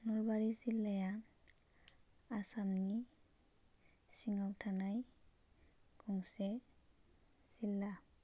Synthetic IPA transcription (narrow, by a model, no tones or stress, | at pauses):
nɔlbaɹizilːaja | asamni | siŋawtʰanaj | ɡ̥ɔŋsɛ | z̥ilːa